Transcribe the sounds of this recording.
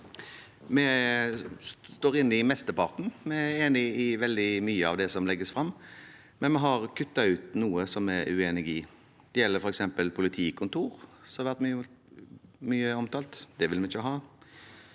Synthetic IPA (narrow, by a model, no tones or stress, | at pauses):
mɛ | st̪oːɾɪnːɪmɛst̪əpɑɾt̪n̩mɛæeːnɪɪʋɛld̪ɪmyːəɑ̰ʋd̪ɛsɔmlɛɡːəsfɾɑmː | mɛnmɛɦɑɾkʰʉt̪ːɑʉːt̪nuːəsɔmɛʉ̰eːnɪɡɪ | d̪̥ɛjɛlːəɾfɔɾɛksɛmpəlpʰʊlɪt̪ʰiːkʰʊnt̪ʰuːɾsɔhɑɾʋæʁt̪myː | myːəɔmt̪ʰɑːlt̪d̪̥ɛʋɪlmɛɪçəɦɑː